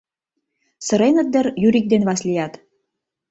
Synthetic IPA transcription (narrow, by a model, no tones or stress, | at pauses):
sɤ̆ɾenə̆t̪̚d̪ə̆rjyɾik̚d̪enβɑslijɑt̪